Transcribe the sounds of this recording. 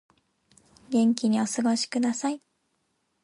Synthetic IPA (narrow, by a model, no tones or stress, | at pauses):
ɡẽ̞ŋkʲiɲ̟io̞sɨɡo̞ɕi̥kɯ̟d̪asai